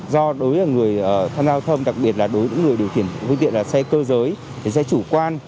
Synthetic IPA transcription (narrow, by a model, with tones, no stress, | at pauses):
zɔ˧ɗo˨˦jʔəː˨˩ŋɨ˨˩əjəː˨˩t̪ʰaː˧mzaː˧wt̪ʰə˧mɗa˨˩k̚ɓi˨˩ət̚laː˨˩ɗo˨˦jɲɨ̰˧˥ŋːɨ˨˩əjɗi˨˩əwt̪ʰi˧˩ənfə˧t̪ḭ˧˨ənlaː˨˩sɛ˧kəː˧zəː˨˦j̪ʰi˨˩sɛ̰˧˥t͡ɕu˧˩kwaː˧n